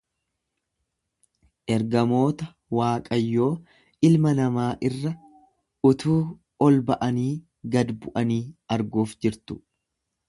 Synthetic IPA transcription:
ʔɛɾɡɐmo̞ːt̪ɐ | waːkʼɐjːo̞ː | ɪlmɐnɐmaːʔɪrːɐ | ʊt̪uː | ɔlbɐʔɐniː | ɡɐd̪bʊʔɐniːɐɾɡuːfd͡ʒɪɾt̪ʊ̥

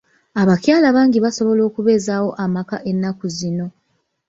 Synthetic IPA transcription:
aβacjaːlaβaːŋɟiβaso̞βo̞lo̞ːkuβe̞ːzaːwo̞ʔamakaʔe̞nːakuzino̞

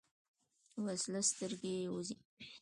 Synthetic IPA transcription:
waslast̪əɾɡeuzi

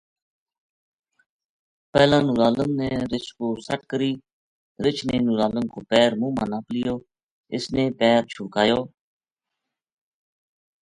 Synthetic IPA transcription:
pɛːlãːnʊɾaːləmnẽːɾɪt͡ʃkoːsəʈkəɾiː | ɾɪt͡ʃʰneːnuɾaːləmkʰoːpɛːɾmũːmã̰ːnaːplɪjoː | ɪ̰sneːpɛːɾt͡ʃʰʊːkaːjoː

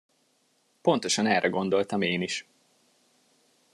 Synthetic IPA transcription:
po̞nt̪o̞ʃɒnɛlrɛɡo̞nd̪o̞lt̪ɒmeːniʃ

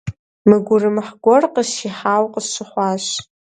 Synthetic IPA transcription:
mɨɡʷʊrɨmħɡʷɔrqʼəʃiħawqʼəʃʷɨħʷaʃ

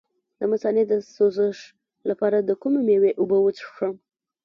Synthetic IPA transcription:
d̪̥əmasɑned̪əsozəʂ | lapɑɾad̪əkumemeweʔʊbəwət͡sʂʂəm

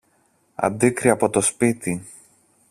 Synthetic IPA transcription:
ɐ̰d̪ikɾiɐpo̞t̪o̞spit̪i

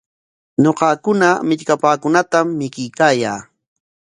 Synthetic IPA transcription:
ɲoqɑkʊnamɪʎkapaːkʊnat̪amːɪkɪjkaːjaː

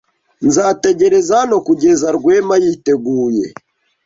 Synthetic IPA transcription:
nzatɛɡɛɾɛzanokuɡɛzaɾɡwɛmajitɛɡuːjɛ̰

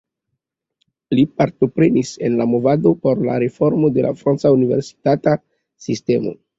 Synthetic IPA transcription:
lipaɾto̞pɾe̞nise̞nlamo̞vado̞po̞ɾla̰ɾe̞fo̞ɾmo̞de̞lʔa̰fɾant͡saunive̞̰ɾsi̥tata | siste̞mo̞̰

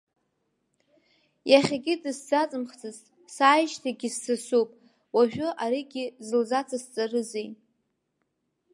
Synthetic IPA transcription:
jaχʲaɡʲɪdɨsd͡zat͡sʼɨmχt͡sʰɨztʼ | saːjʃtʰaɡʲɪssɨsupʼ | waʒᶣʊʔaɾiɡʲɪzɨlzat͡sʰʼast͡sʼarɨzejʼ

